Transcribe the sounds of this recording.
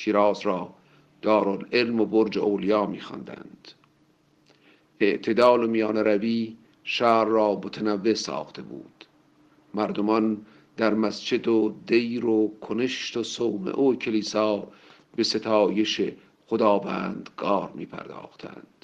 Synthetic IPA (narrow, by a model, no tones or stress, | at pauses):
ʃʰiːɾɑːzɾɒː | d̪̥ɒːɾolelmoboɾd͡ʒeʔoːlijɑːmḭːxɑ̰nd̪æ̰nd̪̥ | ʔe̞ʔt̪ʰe̞d̪ɑːlomijɑːneɾæbiː | ʃæːɾːɒːmot̪ʰænævːe̞sɒ̰ːxt̪ʰe̞̰bṵːd̪̥ | mæɾd̪omɒn | d̪æɾmæst͡ʃed̪od̪ejɾokʰoneʃt̪osowmḛʔocʰeliːsɑː | be̞se̞t̪ʰɑːje̞ʃe | xod̪ɑːvæ̰ːnd̪ɡɒːɾmiːpʰæ̰ɾd̪ɒ̰ːxt̪ʰæ̰nd̪̥